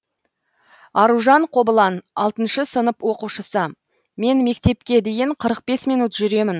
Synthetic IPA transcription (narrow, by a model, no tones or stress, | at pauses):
ɑɾuʒɑɴqʰo̞bəlˠɑnɑlˠt̪ənʃəsənəpwo̞quʃəsə | me̞nme̞kt̪e̞p̚kʲe̞d̪e̞jɪɴqʰəɾəq̚be̞smijnut̪ʒʏɾe̞mɪn